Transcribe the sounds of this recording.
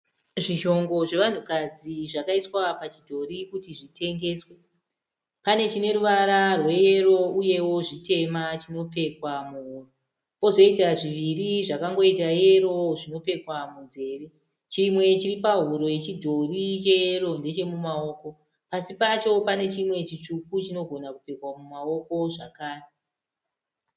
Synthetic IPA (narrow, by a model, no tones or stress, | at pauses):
ʐiʃo̞ŋɡo̞ʐe̞ʋan̤ukad͡ziʐakaiswapat͡ʃidʱo̞rikutiʐite̞ŋɡe̞ːswe | pane̞t͡ʃine̞ɾuʋaɾarwe̞je̞ro̞uje̞wo̞ʐite̞mat͡ʃino̞pe̞kwamuɦuro | po̞zo̞itaʐiʋiriʐakaŋɡo̞itaje̞ro̞ʐino̞pe̞kwamund͡ze̞ːʋe | t͡ʃimwe̞t͡ʃiripaɦuɾo̞je̞t͡ʃidʱo̞rit͡ʃe̞jero̞nde̞t͡ʃe̞mumao̞ːko̞ | pasipat͡ʃo̞pane̞t͡ʃimwe̞t͡ʃit͡ʂukut͡ʃino̞ɡʱo̞nakupe̞kwamumao̞ko̞ʐa̰kaːre